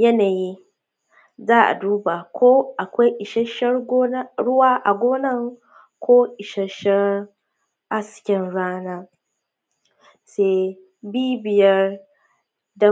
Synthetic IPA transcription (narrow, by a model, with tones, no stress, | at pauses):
jɛ˦na˨ji˦ | zaː˦a̰˨du˦ba˨kʰo˦a˨kʷe˦i˨ʃɛ˦ʃɛ˦ɾɡo˦na˦ɾʊ˦waː˦ʔa˨ɡo˦na˦˨ŋ | kʰoː˦i˨ʃɛ˨ʃɛ˦ɾ | a˦si̥˨kʲɛ˦nɾaː˦na˦ | se˦˨ | biː˦bi˨jɛ˦ɾ | da˦